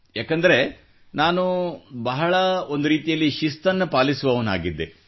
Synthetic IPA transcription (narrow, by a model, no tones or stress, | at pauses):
jaːkɐnd̪ɐɾe̞ | naːnubɐɦɐɭɐo̞nd̪uɾiːt̪ijɐlːiʃist̪ɐnːɐpaːlisuʋɐʋɐna̰ːɡid̪ːe